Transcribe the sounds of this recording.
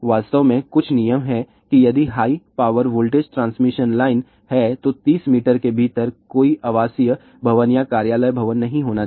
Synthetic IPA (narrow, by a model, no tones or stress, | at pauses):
ʋaːst̪əʋmẽkʊt͡ʃʰnijəmɦɛ | kijɐd̪iɦaːipaːʋəɾʋoːlʈeːd͡ʒʈɾãːnsmɪʃənlaːɪn | hɛt̪ot̪iːsmiːʈəɾkebʱiːt̪əɾkoːiʔaʋaːsijə | bʱɐʋənjakaːɾjaːləjbʱɐʋənːɐɦĩɦoːna